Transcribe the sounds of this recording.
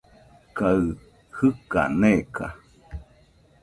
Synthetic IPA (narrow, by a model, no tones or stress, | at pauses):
kaɨ | hɨka̰neka̰